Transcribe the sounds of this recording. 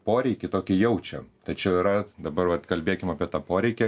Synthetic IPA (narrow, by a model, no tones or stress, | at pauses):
poːɾʲɛɪkʲɪt̪oːkʲɪjɛʊt͡ʃʲɛt̪ɐɪt͡ʃʲɛɪɾɐd̪ɐbɐrʋɐt̪kɐlʲbʲeːkʲɪmɐːpʲiɛt̪ɐːpoːɾʲɛɪkʲɛ